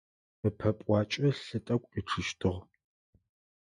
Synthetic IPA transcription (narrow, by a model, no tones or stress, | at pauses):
ɨpʰɐpʼʷɑːt͡ʃʼɐɬɨtʼɐkʷʼiʈ͡ʂʰɨʃtʰɨʁ